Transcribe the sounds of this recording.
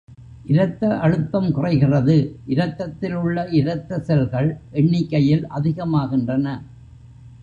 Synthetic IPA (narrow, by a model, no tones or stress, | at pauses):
ʔɪɾɐt̪ːɐʔɐɻɯt̪ːɐmkʊrɐɪɣɪrɐðɯʔɪɾɐt̪ːɐt̪ːɪlɯɭːɐʔɪɾɐt̪ːɐsɛlɣɐɭʔɛɳːɪkːɐjɪlʔɐðɪɣɐmaːɣɪndrɐnɐ